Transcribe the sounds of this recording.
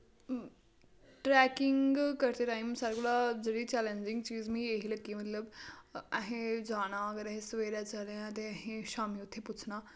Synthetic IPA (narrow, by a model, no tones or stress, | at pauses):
ʈɾɛkɪŋɡkəɾt̪eʈaːimsaɾɡulad͡zəɾit͡ɕɛleɲd͡ʑiŋɡt͡ɕiːzmĩeɦiləkːimət̪ləbaɦẽd͡zaːɽ̃aəɡəɾaɦẽsʋeɾjat͡səlãt̪̬eaɦẽʃaːmiut̪ʰːeput͡sʰna